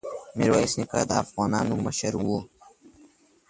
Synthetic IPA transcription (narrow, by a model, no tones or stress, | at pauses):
mḛɾwaisnikɐ̰d̪a̰ːfɣaːnaːnumɐʃɐɾuo